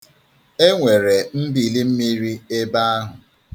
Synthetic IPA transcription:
e˦ŋʷe˨ɾe˨m̩˦bi˨li˦m̩˦mi˦ɾi˦e˦ba˦a˦ɦʊ˨

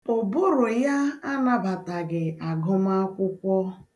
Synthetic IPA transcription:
o˨bʊ˦ɾʊ˨ja˦a˦na˨ba˨ta˨ɡɪ˨a˨ɡʊ˦ma˦kʷʊ˦kʷɔ˦

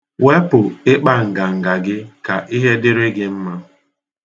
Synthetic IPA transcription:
we˦pʊ˨ɪ˦k͡pa˦˨ŋ̩˨ɡa˨ŋ̩˨ɡa˨ɡɪ˦ka˨ʔi˦ɦe˦dɪ˦ɾɪ˦ɡɪ˦m̩˦ma˦

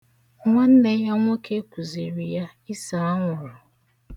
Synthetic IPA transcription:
ŋʷa˦n̩˦ne˦ja˦ŋʷ˦o˦kʰe˦kʷu˨zi˨ɾi˨ja˦ | ɪ˦sa˨a˦ŋʷʊ˨ɾʊ˨

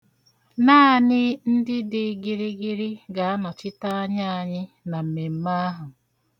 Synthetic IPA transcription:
naː˦˨nɪ˦n̩˦dɪ˦dɪ˦ɡɪ˨ɾɪ˦ɡɪ˦ɾɪ˦ɡa˨a˦nɔ˨t͡ʃɪ˦ta˦a˦ɲa˦a˦˨ɲɪ˦ | na˨m̩˨me˨m̩˦ma˦a˦ɦʊ˨

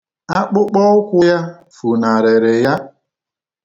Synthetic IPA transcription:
a˦k͡pʊ˦k͡pɔ˦ʊ˦kʷʊ˦ja˦ | fu˨na˨ɾe˨ɾe˨ja˦

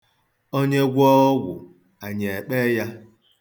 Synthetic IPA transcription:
o˦ɲe˦ɡʷɔ˦ɡʷʊ̰˨ | a˨ɲe˨e˨k͡pe˦ja˦

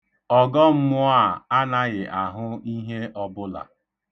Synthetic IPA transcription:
ɔ˨ɡɔ˦m̩˦mʊ˦a˦˨a˦na˦ɣɪ˨ʔa˨ɦʊ˦i˦ɦe˦ʔɔ˦bʊ˦la̰˨

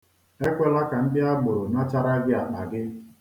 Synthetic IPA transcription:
e˦kʷe˦la˦ka˨n̩˦dɪ˦a˦ɡ͡bʊ˨ɾʊ˨na˦t͡ʃa˦ɾa˦ɡɪ˦a˨k͡pa˨ɡɪ˦

